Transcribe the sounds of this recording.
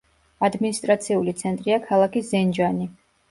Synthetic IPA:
ad̪minist̪ʼɾat̪sʰiulit̪sʰɛnt̪ʼɾiakʰalˠakʰizɛnd͡ʒani

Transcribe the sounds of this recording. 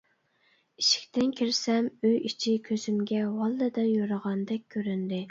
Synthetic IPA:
iʃi̥kʲt̪ɪnkʲʰiɾsɛmyit͡ʃʰikʲʰøz̥ymɡʲɛwɑlˠːɨd̪ɨnjoɾəʁɑnd̪ɛkʲkʲʰːøɾynd̪ɪ

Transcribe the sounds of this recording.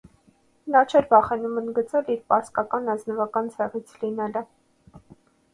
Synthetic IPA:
nɑt͡ʃʰɛɾvɑχɛnumənd̪ɡət͡sɛliɾpɑskɑkɑnɑznəvɑkɑnt͡sʰɛʁit͡sʰlinɛlə

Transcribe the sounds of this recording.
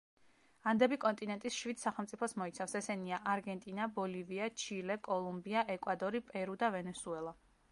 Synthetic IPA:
and̪ɛbikʼɔnt̪ʼinɛnt̪ʼisʃwid̪saχɛlˠmt̪sʼipʰɔsmɔit̪sʰafsɛsɛniaʔaɾɡɛnt̪ʼinabɔliviat͡ʃʰilɛkʼɔlˠumbiaʔɛkʼwad̪ɔɾipʼɛɾud̪avɛnɛsuɛlˠa

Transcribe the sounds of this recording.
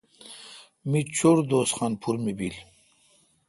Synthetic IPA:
mit͡ɕoɾd̪oːsχaːnpʰuɾmibil

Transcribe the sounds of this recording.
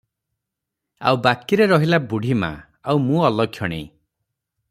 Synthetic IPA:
a̰wbakiɾeɾɔɦilabuɽʱimã̰ | awmũɔlɔkʰjɔɽ̃ḛ̃j̃

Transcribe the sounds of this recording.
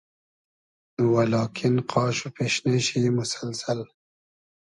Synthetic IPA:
nwalɑːkʰɪnqʰɑːʃupeːʃneʃimʊsalsal

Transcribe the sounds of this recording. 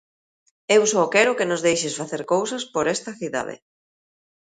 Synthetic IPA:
ewsɔkɛɾʊkenʊzðejʃɪsfaθeɾkowsɐspoɾɛst̪ɐθiða̰ðḛ

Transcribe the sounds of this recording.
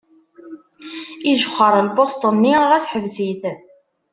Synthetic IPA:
iʒəχːəɾˤəlbost̪ˤənːiʁæsħəvziθ

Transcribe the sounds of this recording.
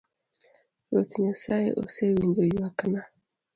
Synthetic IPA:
ɾot̪iɲasajḛʔo̰sewiɲɟojiwakana

